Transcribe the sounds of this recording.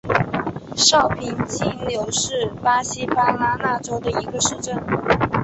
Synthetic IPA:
ʂɑ˥˩ʊpʰi˨˩nt͡ɕi˥ljo˧˥ʊʂɻ̩˥˩pa˥ɕi˥pa˥la˥la˥ʈ͡ʂo˥ʊd̪ə˨i˧˥ɡə˧ʂɻ̩˥˧ʈ͡ʂə˥˩n

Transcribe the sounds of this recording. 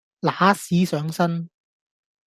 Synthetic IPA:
laː˨˥siː˨˥sœː˨˥ŋsɐ˥n

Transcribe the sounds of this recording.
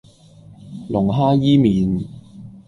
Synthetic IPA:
lʊ˨˩ŋɦaː˥jiː˥miː˨˧n

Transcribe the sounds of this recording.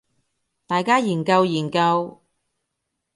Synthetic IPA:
t̪aː˨jkaː˥jiː˨˩nkɐ˧wjiː˨˩nkɐ˧w

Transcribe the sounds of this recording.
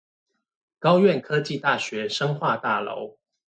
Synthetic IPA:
kɑ˥˦ʊɥɛ˥˨nkʰɤ˦t͡ɕi˥˨t̪a˥˩ɕɥɛ˨˦ʂɤ˥ŋxwa˥˨t̪a˥˩lo̰˧˦ʊ

